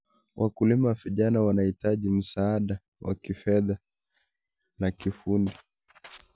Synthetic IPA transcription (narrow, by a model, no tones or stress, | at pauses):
wʔakulimaviʄanawanahitaʄim̩saːɗa | wʔa̰kifɛða | nakifundi